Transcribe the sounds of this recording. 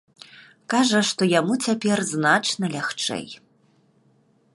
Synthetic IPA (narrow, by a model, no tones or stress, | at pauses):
kaʐɐʂt̪ɔjamut͡sʲapʲɛrznat͡ʂnɐlʲaxt͡ʂɛ̰j